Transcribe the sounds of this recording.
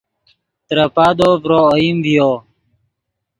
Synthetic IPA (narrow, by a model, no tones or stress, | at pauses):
t̪ɾəpad̪opɾoːimbijo